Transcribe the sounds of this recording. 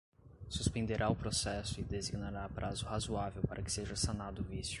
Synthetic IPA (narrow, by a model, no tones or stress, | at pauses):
suspẽnd̪eɾʔaʊpɾosɛsʊɪd̪eziɡnaɾapɾʔazʊhazuavewpaɾʔɐkɪ̥seʒɐsanad̪ʊvisjʊ